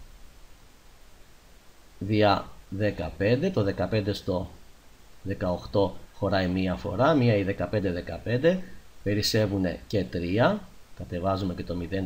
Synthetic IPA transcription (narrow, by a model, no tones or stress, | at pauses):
ðiɐðekɐpe̞nd̪e̞t̪o̞ðe̞kɐpe̞nd̪e̞st̪o̞ | ðe̞kɐoxt̪o̞xo̞ɾɐimiɐfo̞̰ɾɐmiɐiðe̞kɐpe̞nd̪eðe̞kɐpe̞nd̪epe̞ɾise̞vune̞̰ce̞t̪ɾiɐkɐt̪e̞vɐzume̞ce̞t̪o̞miðe̞n